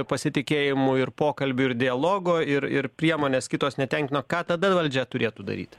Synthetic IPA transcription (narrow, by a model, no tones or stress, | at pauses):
pɐsʲɪt̪ʲɪkʲeːjɪmʊɪɾpoːkɐlʲbʲʊɪɾd̪ʲɪɐlˠoːɡoːɪɾɪ̰ɾpʲɾʲiɛmoːnʲeːskʲɪt̪oːsnʲɛt̪ʲɛŋʲkʲɪnoːkɑːt̪ɐd̪ɐʋɐlʲd͡ʒʲɛt̪ʊɾʲeːt̪uːd̪ɐ̰ɾʲḭːt̪ʲ